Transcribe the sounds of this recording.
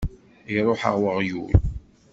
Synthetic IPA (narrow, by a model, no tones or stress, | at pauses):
iɾˤoħə̰ʁwəʁjṵl